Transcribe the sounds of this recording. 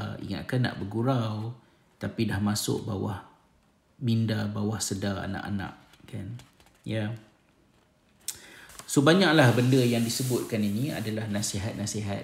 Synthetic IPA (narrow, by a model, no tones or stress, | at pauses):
ḭŋa̰t̪̚kanːa̰ʔbəɡuɾaw | t̪apidahmasʊ̰ʔ̚ba̰wa̰h | mindabawahsədaa̰na̰ʔa̰nã̰ʔ | kʰan | ja | sobaɲãʔ̚lahbəndəjaŋdisəbʊt̪̚kaninia̰dalahnaseɦat̪̚naseɦat̪̚